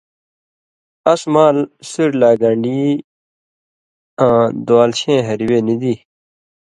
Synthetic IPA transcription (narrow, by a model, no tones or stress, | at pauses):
ɐsmaːlsiɾlaːɡɐ̃ɳɖiː | ãːd̪waːlɕẽːɦɐɾiweːnid̪iː